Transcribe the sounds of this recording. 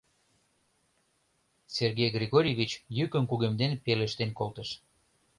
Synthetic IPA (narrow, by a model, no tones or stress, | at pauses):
serɣejɡrʲeɣoɾʲijevʲit͡ɕjykənkuɣemd̪enpeləʃt̪enkolt̪əʃ